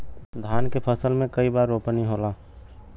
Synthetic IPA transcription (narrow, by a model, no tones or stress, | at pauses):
d̪ʱaːnkepʰəsəlmẽkəibaːɾːoːpəniɦolaː